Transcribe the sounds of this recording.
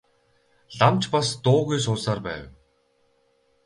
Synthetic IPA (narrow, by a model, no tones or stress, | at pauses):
ɮamt͡ɕpast̪ʊːɣujs̬ʊːsaːrpæ̰ːw